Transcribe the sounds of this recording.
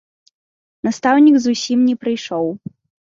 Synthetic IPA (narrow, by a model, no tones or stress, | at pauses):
nast̪awnʲiɡzusʲimnʲɛpɾɨjʂɔw